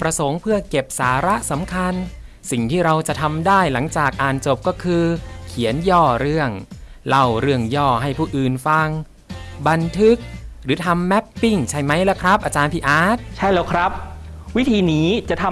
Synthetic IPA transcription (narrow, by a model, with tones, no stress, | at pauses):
pɾa˧so˩˦ŋpʰɯ˥˩əke˨˩p̚saː˩˦ɾa˦˥ʔsa˩˦mkʰa˧n | si˨˩ŋt̪ʰiː˥˩ɾa˧wt͡ɕa˨˩ʔt̪ʰa˧mdaː˥˩jla˩˦ŋt͡ɕaː˨˩k̚ʔaː˧nt͡ɕo˨˩p̚kɔː˥˩kʰɯː˧kʰi˩˦ənjɔː˥˩ɾɯ˥˩əŋla˧˩wɾɯ˥˩əŋjɔː˥˩ɦa˥˩jpʰuː˥˩ʔɯː˨˩nfa˧ŋ | ba˧nt̪ʰɯ˦˥k̚ɾɯː˩˦t̪ʰa˧mːɛ˦˥pːi˥˩ŋt͡ɕʰa˥˩jma˦˥jlɛː˦˥wkʰɾa˦˥p̚ʔaː˧t͡ɕaː˧npʰiː˧˩ʔaː˦˥t̪̚t͡ɕʰa˥˩jlɛː˦˥wkʰɾa˦˥p̚wi˦˥t̪ʰiː˧niː˦˥t͡ɕa˨˩t̪ʰa˧